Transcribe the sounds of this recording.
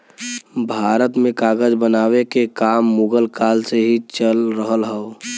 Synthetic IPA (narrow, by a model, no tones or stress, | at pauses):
bʱaːɾət̪mẽkaːɡəd͡ʒbənaːwekekaːmːuɡəlkaːlseɦit͡ʃəlɾəɦəlɦɛo